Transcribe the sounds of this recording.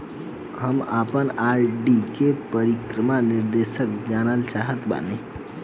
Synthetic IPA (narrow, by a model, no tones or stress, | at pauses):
ɦəmaːpənaːɾɖikepəɾikɾəmanɪɾd̪eːʃək̚d͡ʒaːnəlt͡ʃaːɦət̪ba̰ne